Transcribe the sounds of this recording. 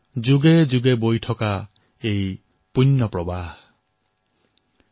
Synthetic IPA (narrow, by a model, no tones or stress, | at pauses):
d͡ʒuɡed͡ʒuɡebojʈʰɔka | ej | punːɔpɾɔbah